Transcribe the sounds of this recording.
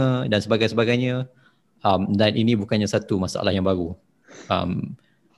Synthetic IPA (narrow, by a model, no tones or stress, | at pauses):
ədansəbaɡajsəbaɡajɲa | amdanʔinĩbukanɲasat̪umasaʔa̰lahjaŋbaɾu | a̰m